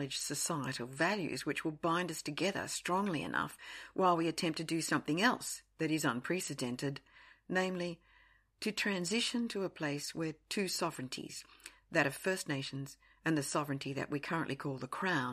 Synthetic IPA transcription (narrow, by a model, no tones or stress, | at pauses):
ɨd̥ʒ̥sɨsaɪɨɾl̩ˠvælˠjʉ̰zwɨt͡ʃwəlˠbãɪ̃ndʌstʰɨɡɛðə̰˞stɹ̥ɔ̃ŋliɨ̰nʌ̰fwʔaɪlˠwiɨtʰɛ̃mp̚tʰɨdɨsʌ̃mθɪ̃ŋɛlˠsðɨɾɨzə̃npʰɹ̥ɛsɨdɛ̃ntɨdⁿnẽɪ̃mli | ɾɨtʰɹ̥æ̃nzɪʃɨ̃ntʰɨəpʰl̥eɪswə˞tʰʉsɑvɹɨ̃ntʰḭz̥ | ðɨɾʌv̥fɜ˞sⁿneɪʃn̩z | ɨ̃nðɨsɑvɹɨ̃ntʰiðɨ̰ʔ̚wikʰɜ˞ə̃nʔlikʰɔlˠðəkʰɹ̥ãʊ̃n